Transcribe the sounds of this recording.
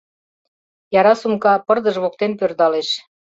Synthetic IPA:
jɑɾɑsumkɑpɤrd̪ə̆ʒβok̚t̪enpørd̪ɑleʃ

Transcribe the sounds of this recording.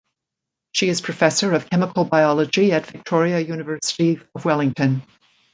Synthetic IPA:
ʃiɨz̥pʰɹ̥ɨfɛsə˞ʌv̥kʰɛməkʰl̩ˠbaɪɑlˠəd͡ʒiɨtv̥ɨk̚tʰɔɹiɨjʉnɨvɜ˞sə̥ɾiʌvwɛlˠɪ̃ŋtʰɨ̃n

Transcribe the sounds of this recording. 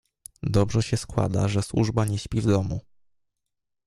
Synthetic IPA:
d̪ɔbʐɛɕɛskwa̰d̪a̰ʐɛswṵʐbaɲɛɕpʲivd̪ɔmu

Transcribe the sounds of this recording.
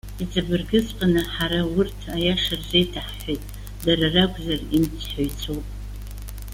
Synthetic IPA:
it͡sʼabɨrɡɨt͡sʼqʼanɨħaɾawʊrtʰajaʂarzejtʰaħħejtʼ | daɾarakʷʼzarimt͡sʰħojt͡sʰowpʼ

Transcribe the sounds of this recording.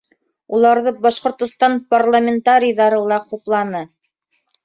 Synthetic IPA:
ulˠɑɾðɤbɑʃqŏɾt̪ŏst̪ɑnparlˠamʲɪnt̪aɾʲijðɑɾɤlˠɑquplˠɑnɤ

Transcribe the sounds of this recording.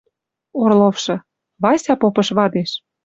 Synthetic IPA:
orlofʃɤ̆ | βɑsʲɑpopɤ̆ʃβɑd̪eʃ

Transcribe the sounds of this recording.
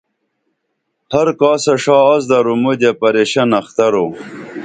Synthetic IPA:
hɐɾkɑːsɐʂɑːzd̪ɐɾumud̪epɐɾeɕɐnɐxt̪ɐɾo

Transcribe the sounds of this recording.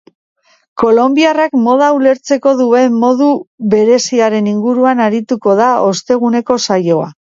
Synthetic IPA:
ko̞lo̞mbiarakmo̞ð̞aule̞ɾt͡se̞ko̞ðue̞mmːo̞ðuβe̞ɾe̞siaɾe̞niŋɡuɾuanaɾit̪uko̞ð̞ao̞st̪e̞ɣ̞une̞ko̞sajo̞a̰

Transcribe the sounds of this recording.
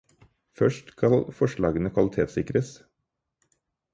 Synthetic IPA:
fœʂʈkʰɑlfɔʂɭɑːɡənəkʰʋɑlɪt̪ʰeːt̪sɪkɾəs

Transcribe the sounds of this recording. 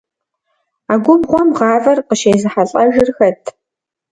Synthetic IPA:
aːɡʷʊbʁʷɔmʁɑːvɐrqəʃeːjzɨħaɬʼɐʒɪrxɐtʰ

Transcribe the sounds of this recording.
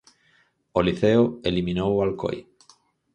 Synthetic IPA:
oliθeoelimĩnowalko̰j

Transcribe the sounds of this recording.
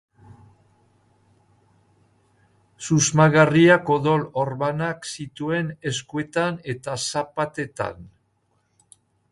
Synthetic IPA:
suzmaɣariako̞ðolo̞ɾβanaksit̪ue̞ne̞skue̞t̪ane̞t̪asapat̪e̞t̪a̰n

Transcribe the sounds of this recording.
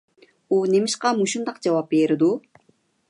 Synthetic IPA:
unemɪʃqɑmuʃumd̪ɑq̚d͡ʒɑwɑpːeɾɪd̪u

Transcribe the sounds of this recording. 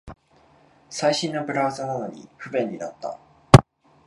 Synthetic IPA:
saiɕĩnːo̞bɯ̟ɾaːzanano̞̰ɲ̟ḭɸɯ̟bẽ̞ɲ̟ːinat̪ːa̰

